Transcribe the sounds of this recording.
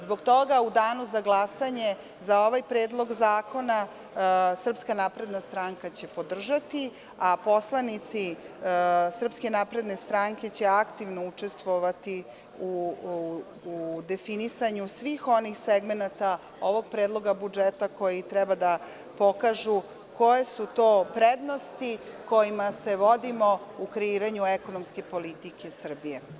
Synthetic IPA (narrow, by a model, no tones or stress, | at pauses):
zbo̞ɡt̪o̞ɡaud̪aːnuzaɡlˠasaɲe̞ | zao̞ʋajpɾeːd̪lˠo̞ɡzaːkʰo̞na | sr̩pskanaːpɾe̞d̪nast̪ɾaːŋkat͡ɕe̞po̞d̪r̩ʒat̪i | apo̞slˠanit̪si | sr̩pske̞naːpɾe̞d̪ne̞st̪ɾaːŋke̞t͡ɕe̞akt̪iʋno̞ut͡ʂe̞st̪ʋoʋat̪i | u | ud̪e̞finisaɲusʋiːxo̞nixseɡmenat̪a | o̞ʋo̞ɡ̚pɾeːd̪lˠo̞ɡabud͡ʒet̪akʰo̞jit̪ɾɛbad̪a | po̞kaʒu | ko̞jesut̪o̞ːpɾed̪no̞st̪iko̞jimase̞ʋod̪imo̞ukɾeiɾaɲuekonomske̞po̞lit̪ike̞sr̩bije